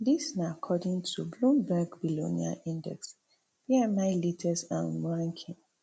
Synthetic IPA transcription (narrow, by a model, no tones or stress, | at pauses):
disnaakʰɔdĩŋtʰublũmbɛɡbilo̰nia̰ʔĩndɛ̰ks | biɛmaɪlitʰɛsã̰nɹãŋkʰĩŋ